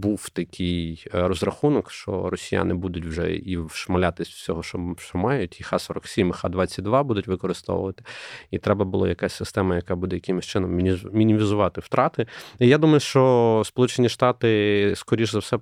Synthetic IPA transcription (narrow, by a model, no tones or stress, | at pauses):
buwt̪ɐkʲʰijrɔzrɐxunɔkʃt͡ʃɔ̰rɔsʲija̰nɪbud̪ʊtʲwʒɛ̰iwʃmɐlʲat̪ɪsʲsʲɔɦɔʃɔʃt͡ʃɔmɑjʊtʲixɑsɔɾɐksʲimxɑ̰d̪ʋɑt͡sʲːɐt̚ʲd̪ʋɑbud̪ʊtʲʋɪkɔɾɪst̪ɔ̰ʋʊ̰ʋɐt̪ɪ̥it̪ɾɛbɐbʊlˠɔ̰jɐkasʲsɪst̪ɛmɐjɐkɑbud̪ɛjɐkɪmɪsʲt͡ʃɪnɔmʲmʲinʲimʲizʊʋɑt̪ɪwt̪ɾɑt̪ɪijad̪umɐjʊʃt͡ʃɔspɔlˠut͡ʃenʲiʃt̪ɑt̪ɪskɔɾʲiʒzɐwsɛ